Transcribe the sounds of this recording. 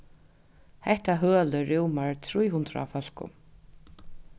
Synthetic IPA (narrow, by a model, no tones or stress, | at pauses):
hɛht̪aɦœːləɾɪwmaɹt̪ʰɾujɦʊnt̪ɾa̰a̰fœl̥kʊ̰m